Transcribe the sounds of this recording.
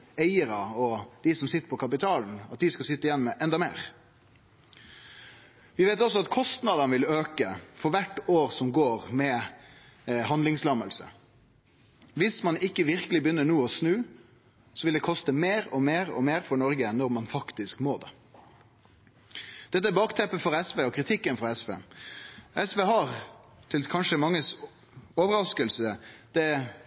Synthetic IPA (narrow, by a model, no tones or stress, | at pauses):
æɪəɾɑɔd̪̥ɪsɔmsɪt̪ːə̥ɾpʰɔkʰɑp̬ɪt̪ʰɑːln̩ɑt̪̚d̪ɪskɑsɪt̪ːəɪjɛnmɛʔɛnd̪ɑmḛːʁ | ʋɪʋeɪt̪ɔsɔɑt̪kʰɔst̪nɑd̪ɑnəʋɪløːkəfɔɾʋæʈːoːɾsɔmɡoːɾmɛ | hɑnd̪lɪŋslɑməlsə̰ | ʋɪsmɑnɪkːəʋɪɾkəlɪbjʏnːəɳuːəɔsnʉː | sɔʋɪld̪ɛkʰɔst̪əmeːɾɔmeːɾɔ̰meːɾfɔɳɔɾɡənɔɾmɑnfɑkt̪ɪskmoːd̪ɛ̰ | d̪̥ɛt̪ːəæbɑːkt̪ʰɛpːəfɔɾɛsʋeːɔkʰɾɪt̪ʰɪkːənfɾɑɛsʋḛː | ɛsʋeːɦɑɾt̪ʰɪlkʰɑnʂəmɑŋːəs | ɔːʋəɾɑskəlsəd̪̥ɛ